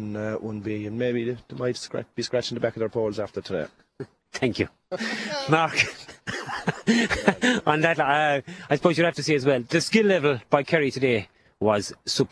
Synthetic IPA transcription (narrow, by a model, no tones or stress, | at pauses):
nəwʌ̃nbiə̃nmeɪbiðmaɪtskɹæ̰t͡ʃ̚b̥iskɹæt͡ʃɪ̃ŋtəbakəðəə˞pʰoːlˠzaftə˞tʰədḛː | θʰæ̃ŋkju | maɹk | ə̃nðətʌaɪsəpʰoːzjəlˠhaftəsiːəzwɛlˠðəskɪlːɛvəlˠb̥aɪkʰɛɹitʰədeː | wɒz̥sup